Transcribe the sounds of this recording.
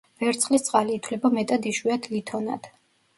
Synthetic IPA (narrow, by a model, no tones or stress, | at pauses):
vɛɾt̪sχlist̪sʼqʼaliːt̪ʰwlɛbamɛt̪ʼad̪iʃwiad̪ʰlit̪ʰɔna̰d̪̥